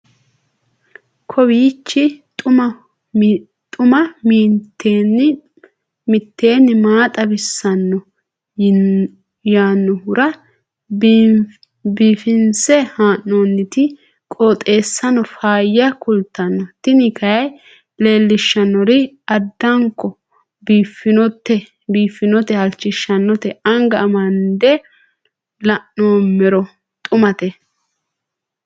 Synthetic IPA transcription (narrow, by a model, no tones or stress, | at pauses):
kʰɔbiːt͡ʃːɪt̪ʼʊmɐ | t̪ʼʊmɐmiːt̪ːen | mɪt̪ːe̞ːnːɪmaːt̪ʼɐbɪsːɐnːɔ | jaːnːɔhʊɾɐ | biːfɪnsɛhaːnːoːnːɪt̪ɪ | kʼot̪ʼe̞ːsːɐnɔfaːjːɐkʊlt̪ːɐnːɔt̪ɪnɪkʰɐjɐj | le̞ːlːɪʃːɐnːɔɾɪ | ɐd̪ːɐŋkːɔ | biːfɪnɔt̪ɛ | biːfːɪnɔt̪ɛhɐlt͡ʃːɪʃːɐnːɔt̪ɛɐŋɡɐːmɐnd̪ɛ | lɐʔːoːmɛɾɔ | t̪ʼʊmɐt̪ɛ